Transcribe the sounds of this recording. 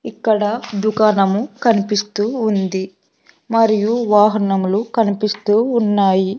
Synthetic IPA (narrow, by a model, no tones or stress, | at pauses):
ikːɐɽɐd̪ukaːnɐmukɐnipist̪uːnd̪i | mɐɾijuʋaːɦɐnɐmulukɐnipist̪uːnːaːji